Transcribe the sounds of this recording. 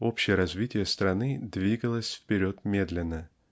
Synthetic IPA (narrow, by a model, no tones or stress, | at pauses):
o̞pɕɪjəɾɐzvʲitʲɪjəst̪ɾɐnɨd̪vʲiɡəlˠəsʲfpʲɪɾʲo̞t̪mʲed̪lʲɪnːə